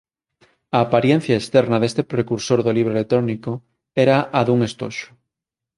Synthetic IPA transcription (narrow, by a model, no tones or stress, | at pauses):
aːpaɾjen̟θjɐest̪ɛɾnɐðest̪epɾekuɾsoɾðoliβ̞ɾoelet̪ɾoniko | ɛɾaʔaðuŋest̪o̰ʃʊ̥